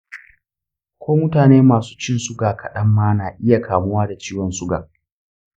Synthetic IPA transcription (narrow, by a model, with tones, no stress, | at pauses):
kʷoː˦mʊ˦taː˨neː˦maː˨su̥ː˦t͡ʃɪ˦nsʊ˦ɡaː˨kʰɐ˨ɗɐ˦mːaː˦naː˨ʔɪ˦ja˨kʰaː˨mʊ˦waː˦da˨t͡ʃiː˦wɔ˨nsʊ˦ɡa̰ː˨